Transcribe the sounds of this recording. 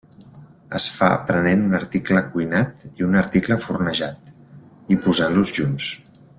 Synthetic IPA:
ə̰sfaə̰pɾənenunəɾt̪ikləkujnat̪iunəɾt̪ikləfurnəʒat̪̚ | ipuzanluzʒuns

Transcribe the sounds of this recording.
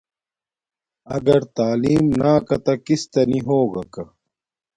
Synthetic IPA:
ɐɡɐɾt̪aːliːmnaːkɐt̪ɐkist̪ɐniɦoːɡɐkɐ

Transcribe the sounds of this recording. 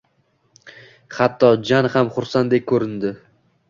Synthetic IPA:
χat̪ʰːɒd͡ʒanhamχʊɾsand̪ek̚ʲkʰːɵɾɪnd̪ɪ

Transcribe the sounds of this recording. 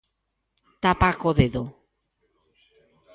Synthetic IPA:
t̪apakoðeðo

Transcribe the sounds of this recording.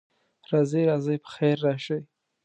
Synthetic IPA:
ɾɑzejɾɑzəjpə̥xeɾːɑʃəj

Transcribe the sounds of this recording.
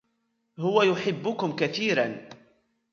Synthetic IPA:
hʊwajʊħɪbːʊkʊmkaθiːɾan

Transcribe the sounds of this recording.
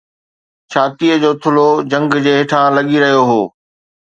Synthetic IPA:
t͡ɕʰaːt̪ijəd͡ʑoːt̪ʰʊlod͡ʑɐ̃ŋɡd͡ʑeːɦɪʈʰãlɐɠiɾɐɦijoɦoː

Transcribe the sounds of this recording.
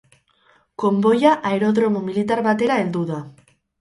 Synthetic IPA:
ko̞mbo̞jaʔaeɾo̞ðɾo̞mumilit̪aɾβat̪e̞ɾae̞ld̪uða

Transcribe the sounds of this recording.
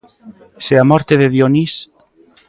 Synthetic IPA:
seamɔɾt̪eðeðjonis

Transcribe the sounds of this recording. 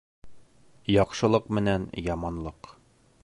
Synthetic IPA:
jɒqʃɤ̆lˠɤqmɘ̆nænjɒmɑnlˠɤq

